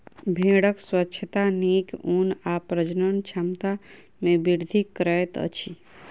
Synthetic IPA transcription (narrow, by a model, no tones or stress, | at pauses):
bʱẽːɽəkswətːʃʰət̪aniːkuːnapɾəd͡ʒnənt͡ʃʰamt̪a | mẽbiɾd̪ʱikːɾɛt̪ə̰t͡ʃʰi